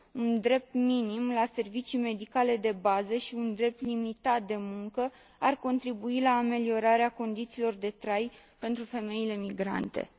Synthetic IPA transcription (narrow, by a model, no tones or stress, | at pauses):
und̪ɾe̞p̚t̪minimlase̞rvit͡ʃijme̞d̪ikale̞d̪e̞bazəʃiund̪ɾe̞p̚t̪limit̪at̪̚d̪e̞muŋkə | arko̞nt̪ɾibuilaːme̞lio̞ɾaɾeako̞nd̪it̪siːlo̞rd̪e̞t̪ɾajpe̞nt̪ɾufe̞me̞ile̞miɡɾa̰nt̪e̞̰